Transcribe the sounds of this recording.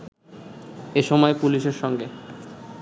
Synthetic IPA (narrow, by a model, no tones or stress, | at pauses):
eʃɔmɔepuliʃeɾʃɔŋɡe